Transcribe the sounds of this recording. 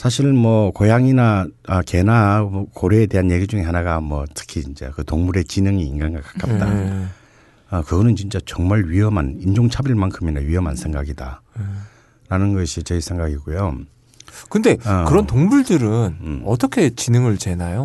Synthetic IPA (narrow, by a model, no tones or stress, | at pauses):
sʰaɕʰiɭmwʌkojaŋinaʌke̞namkoɾe̞ːte̞ɦanje̞ɡid͡ʑuŋeɦanaɡamwʌtʰɯ̥kʰit͡ɕint͡ɕa̰kɯtoŋmuɾe̞t͡ɕinɯŋiːŋɡanɡakḁk͈ʰap̚tt͈a | ʌkɯɡʌnɯnt͡ɕint͡ɕ͈at͡ɕʌŋmaɭɥiʌmɦanind͡ʑoŋt͡ɕʰabiɭmaŋkʰɯminaɥiʌmɦansʰe̞ŋɡaɡida | ɾanɯnɡʌɕʰit͡ɕʌisʰeŋɡaɡiɡojo | kɯnde̞kɯɾʌntoŋmuɭdɯɾɯnʌt̬͈ʌkʰe̞t͡ɕinɯŋɯɭt͡ɕe̞najo